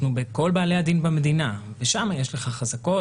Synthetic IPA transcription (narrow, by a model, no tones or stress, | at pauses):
nubeko̞lbaːlejad̪inbamed̪inaveʃamajeʃle̞χaχazako̞